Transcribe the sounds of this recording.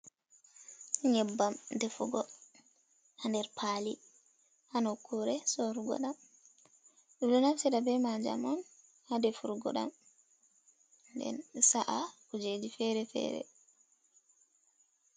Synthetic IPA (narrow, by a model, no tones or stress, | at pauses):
ɲɛbːamdɛfuɡɔ | handɛɾpʰaːli | hanɔkʰːuɾɛsɔɾuɡɔ̰ɗam | ɗɔɗɔnafsɛɗabɛmad͡ʒa̰mɔn | hadɛfuɾɡɔ̰ɗa̰m | ndɛ̰nsaʔakud͡ʒed͡ʒifɛɾɛfɛ̰ːɾɛ̰